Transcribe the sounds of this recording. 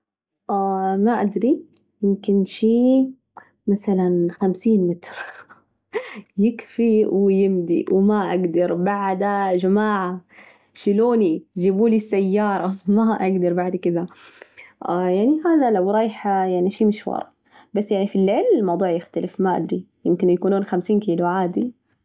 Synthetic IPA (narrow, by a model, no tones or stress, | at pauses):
ʔaːmaʔad̪ɾi | jɪmkɪnʃiː | masalanxamsiːnmɪt̪ɾ | jɪkfiwɪjɪmd̪ḭwmaʔaɡd̪ɑɾˤbaʕd̪ad͡ʒamaːʕa | ʃɪluːnid͡ʒiːbuːlisːajːɑːɾˤɑmaʔaɡd̪ɑɾˤbaʕd̪kɪd̪a | jaʕniʔaːnalawɾˤɑːjħajaʕniʃiːmɪʃwɑ̰ɾˤʔ | basːjaʕnifilːeːlɪlmɑwd̪ˤuːʕjɪxt̪alɪfmaʔa̰d̪ɾi | jɪmkɪnjakuːnuːnxamsiːnkiːluʕaːd̪i